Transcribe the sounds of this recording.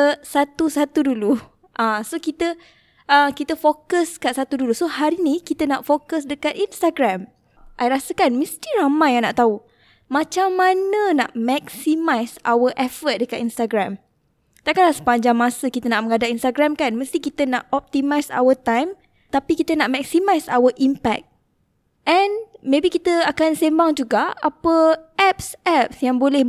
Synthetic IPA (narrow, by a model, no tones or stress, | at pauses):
əsat̪usat̪udulu | ʔasokit̪ə | ʔəkit̪əfokəskaʔsat̪udulusohaɾinikit̪ənaʔfokəsdəkat̪inst̪aɡɾam | ʔajɾasəkanməst̪iɾamãjaŋnaʔt̪au | mãt͡ʃamːanəna̰ʔmɛksimajsa̰wəʔɛfət̪̚dəkat̪inst̪aɡɾam | t̪akalasə̥paɲd͡ʒaŋmãsəkit̪ənaʔmə̃ŋadaʔinst̪aɡɾamkanməst̪ikit̪ənaʔɔp̚t̪imajsa̰wət̪ajm | t̪apikit̪ənaʔmɛksimajsawəʔimpɛ̰k̪̚ | ʔɛnmebikit̪əakansembaŋd͡ʒuɡaapəʔɛp̚sɛp̚sjaŋbolɛh